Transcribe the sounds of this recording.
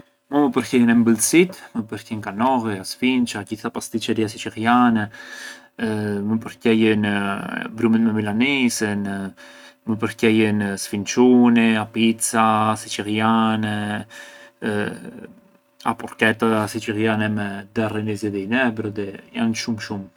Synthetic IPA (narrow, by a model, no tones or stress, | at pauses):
məməpəɾcɛjənɛmbəlsit̪məpəɾcɛnkanɔɣiasfint͡ʃaɡiθapast̪it͡ʃɛɾiasit͡ʃiɾjanɛ | məpəɾcɛjənbɾumɛt̪mɛmilanisən | məp̬əɾcɛjənsfint͡ʃuniapit͡sasit͡ʃiɾjanɛ | a̰pɔɾkɛt̪asit͡ʃiɾjanɛmɛd̪ɛrinizɛðinɛbɾɔðɛjanʃumʃum